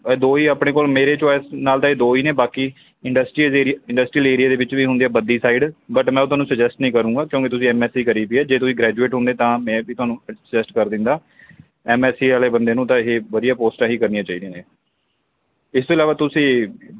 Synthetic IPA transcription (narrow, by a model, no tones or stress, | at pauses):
d̪oːiːaːpɽ̃eːkoːlmeːɾeːt͡ʃɔːjsnaːlt̪ãːeːd̪oːiːneːbaːkiː | ɪɳɖəsʈɾiːeːɾiɪ̃ɳɖəsʈɾiəleːɾijaːd̪eːʋɪt͡ʃʋiːɦʊ̃nd̪ijaːbəd̪iːsaːiɖbəʈmɛ̃ːot̪ʊɦaːnũːsəd͡ʒɛsʈnəĩːkəɾũːɡaːkjõːkit̪ʊsĩːɛːmɛːsiːkəɾiːpiɛːd͡ʒeːt̪ʊsĩːɡɾɛːd͡ʒueːʈɦʊ̃nd̪eːt̪ãːmɛ̃ːʋiːt̪ʊɦaːnũːsəd͡ʒɛsʈkəɾd̪ɪ̃nd̪aː | ɛːmɛːsiːaːleːbənd̪eːnũːt̪ãːɦeːʋəd̪ijaːpoːsʈãːɦiːkəɾnijãːt͡ʃaːiːd̪eːneː | ɪst̪oːɪlaːʋaːt̪ʊsĩː